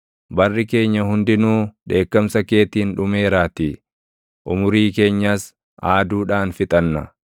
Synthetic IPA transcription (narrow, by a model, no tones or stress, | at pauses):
bɐrːɪke̞ːɲːɐɦʊnd̪ɪnuːᶑe̞ːkːɐmsɐke̞ːt̪iːnᶑʊme̞ːɾaːt̪i | ʔʊmʊɾiːke̞ːɲːaːs | ʔaːd̪uːᶑaːnfɪt̪ʼɐnːɐ̰